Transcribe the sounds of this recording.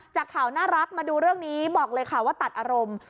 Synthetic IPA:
t͡ɕaː˨˩kʰaː˩˦wnaː˥˩ɾa˦˥k̚maː˧duː˧ɾɯ˥˩əŋniː˦˥bɔː˨˩k̚lɤː˧jkʰa˥˩waː˥˩t̪a˨˩t̪̚ʔaː˧ɾo˧m

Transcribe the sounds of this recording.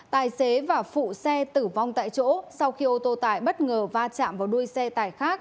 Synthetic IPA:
t̪aː˨˩jse˨˦vaː˨˩fṵ˧˨sɛ˧t̪ɨ˧˩va˧wŋ͡mt̪a̰ː˧˨jt͡ɕo̰˧˥sa˧wxi˧ʔo˧t̪o˧t̪aː˨˧˩jɓə˦˥t̚ŋəː˨˩vaː˧t͡ɕa̰ː˧˨mvaː˨˩wɗu˧əjsɛ˧t̪aː˨˩jxaː˦˥k̚

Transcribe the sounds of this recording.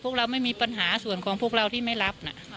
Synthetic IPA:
u˥˩ək̚ɾa˧wma˥˩jmiː˧pa˧nɦaː˩˦su˨˩ənkʰɔː˩˦ŋpʰu˥˩k̚ɾa˧wt̪ʰiː˥˩ma˥˩jɾa˦˥p̚na̰˨˩

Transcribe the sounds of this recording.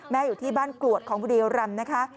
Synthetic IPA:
mɛː˦˥juː˨˩t̪ʰiː˥˩baː˥˩nklu˨˩ət̪̚kʰɔː˩˦ŋbʰu˧diː˧wɾa˧mna˦˥kʰa˦˥

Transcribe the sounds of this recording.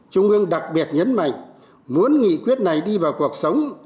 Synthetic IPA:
t͡ɕʊ˧ŋ͡mʔɨ˧əŋɗa˨˩k̚ɓi˨˩ət̚ɲə˨˦nma̰˧˨jŋ̟ | mu˨˦ənŋḭ˧˨kwi˦˥ət̚na˨˩jɗi˧vaː˨˩wku˨˩ək̚sə˨˦wŋ͡m

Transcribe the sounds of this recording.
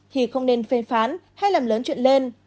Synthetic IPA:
t̪ʰi˨˩xə˧wŋ͡mne˧nfɛ˧˩faː˨˦nha˧jlaː˨˩mləː˨˦nt͡ɕwḭ˧˨nle˧n

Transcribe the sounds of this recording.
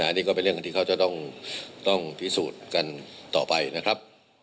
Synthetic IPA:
aː˨˦˧niː˥˩kɔː˥˩pe˧nɾɯ˩ŋk̪ʰiː˧a˥˩t͡ɕa˧˩t̪ɔ˥˩ŋt̪ɔ˥˩ŋt̪ʰi˦˥suː˨˩t̪̚ka˧nt̪ɔ̰ː˨˩pa˧jna˦˥kʰɾa˦˥p̚

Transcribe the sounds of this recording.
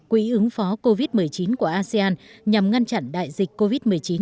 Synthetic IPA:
kwḭ˧˥ʔɨ˨˦ŋfɔ˨˦ko˧vi˦˥t̚mɨ˨˩əjt͡ɕi˨˦nku˧˩əʔaː˧sɛ˧aː˧nɲa˨˩mŋa˧nt͡ɕa̰˧˨nɗa̰ː˧˨jzi˨˩k̟̚kːo˧vi˦˥t̚mɨ˨˩əjt͡ɕi˨˦n

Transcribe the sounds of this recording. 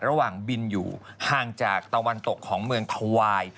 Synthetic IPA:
ɾa˧waː˨˩ŋbi˧njṵː˨˩haː˨˩ŋt͡ɕaː˨˩k̚t̪a˧wa˧nt̪o˨˩kʰːɔː˩˦ŋmɯ˧əŋt̪ʰa˧waː˧j

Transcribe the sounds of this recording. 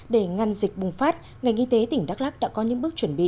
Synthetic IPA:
ɗe˧˩ŋa˨˧˩nzï˨˩k̚ɓʊ˨˩ŋ͡mfaː˦˥t̚ | ŋa˨˩jŋʔi˧t̪e˨˦t̪ï˧˩ŋ̟ɗaː˦˥k̚laː˦˥k̚ɗa̰ː˧˥kɔ˨˦ɲɨ̰˧˥ŋɓɨ˦˥k̚t͡ɕwə˧˩nɓḭ˧˨

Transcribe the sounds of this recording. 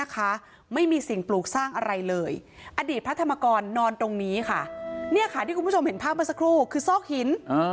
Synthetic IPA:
a˦˥kʰa˦˥ | ma˥˩jmiː˧si˨˩ŋpluː˨˩k̚saː˥˩ŋʔa˧ɾa˧jlɤː˧jʔa˧diː˨˩t̪̚pʰɾa˦˥t̪ʰa˧mːaː˧kɔː˧nːɔː˧nt̪ɾo˧ŋniː˦˥kʰa˥˩ni˥˩ɐkʰa˥˩iː˥˩ku˧pu˥˩o˧mhe˩˦npʰaː˥˩p̚ma˧˥˩sa˧kʰɾuː˥˩kʰɯː˧sɔː˥˩k̚hi˨˩˦nː˧

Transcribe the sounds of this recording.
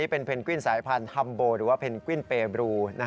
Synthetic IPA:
iː˦˥pe˧npʰe˧nkwi˥˩nsaː˩˦jpʰa˧nha˧mboː˧ɾɯː˩˦waː˥˩pʰe˧nkwi˥˩npeː˧bɾuː˧na˧˥

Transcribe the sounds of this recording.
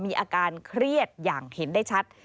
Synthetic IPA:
miː˧ʔaː˧kaː˧nkʰɾi˥˩ət̪̚jaː˨˩ŋhe˩˦ndaː˥˩jt͡ɕʰa˦˥t̪̚

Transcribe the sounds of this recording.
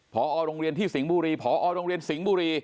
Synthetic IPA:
pʰɔː˩˦ʔɔː˧ɾoː˧ŋɾi˧ənt̪ʰiː˥˩si˩˦ŋbuː˧ɾiː˧pʰɔː˩˦ʔɔː˧ɾoː˧ŋɾi˧ənsi˩˦ŋbuː˧ɾiː˧

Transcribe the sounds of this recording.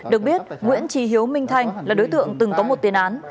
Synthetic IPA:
ɗɨ˨˩ək̚ɓi˦˥ət̚ŋwḭ˧˥ənt͡ɕi˧˩ɦi˨˦əwmï˧ŋ̟t̪ʰa˧jŋ̟laː˨˩ɗo˨˦jt̪ɨ̰˧˨əŋt̪ɨ˨˩ŋkɔ˨˦mo˨˩t̚t̪i˨˩ənʔaː˨˦n

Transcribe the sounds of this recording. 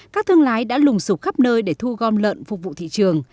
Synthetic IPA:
kaː˦˥k̚t̪ɨ˧əŋlaː˨˦jɗa̰ː˧˥lʊ˨˩ŋ͡msu˨˩k͡p̚xa˦˥p̚nəː˧jɗe˧˩t̪ʰu˧ɣɔ˧˩nlə̰˧˨nfʊ˨˩k͡p̚vṵ˧˨t̪ḭ˧˨t͡ɕɨ˨˩əŋ

